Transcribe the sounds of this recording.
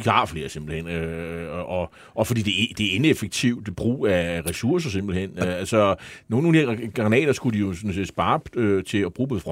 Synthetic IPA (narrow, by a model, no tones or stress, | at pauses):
iɑ̈fle̝ːɐse̝mb̥l̩hen̰øɒ̽ | ʔɒ̽fɒ̽d̥ḭːd̥e̝d̥e̝æe̝nefəɡ̥̚t͡sʰiʊd̥b̥ʁṵːæʁɛsuɐ̰s̬ɐs̬e̝mb̥l̩ihen̰øælsɒno̝ːn̩ond̥iɐɡ̥ʁɑnɛ̰ːd̥ɐsɡ̥ud̥ijo̝sɔ̽n̩se̝̰ːd̥sb̥ɑ̈ːøt͡sʰe̝ɒb̥ʁuːb̥eð̩ˠfʁɒ